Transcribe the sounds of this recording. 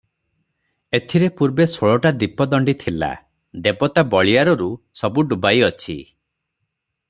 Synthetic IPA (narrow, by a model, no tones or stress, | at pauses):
et̪ʰiɾepuɾbesoɭɔʈad̪ipɔd̪ɔɳɖit̪ʰila̰ | d̪ebɔt̪abɔɭiaɾɔɾusɔbuɖubajɔt͡ʃʰi